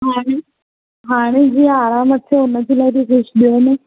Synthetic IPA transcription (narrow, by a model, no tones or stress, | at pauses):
ɦaːɽ̃e | ɦaːɽ̃ed͡ʑiːaːɾaːmət̪ːʰeʊnəd͡ʑilaːt̪ikʊʃɗ̪ijone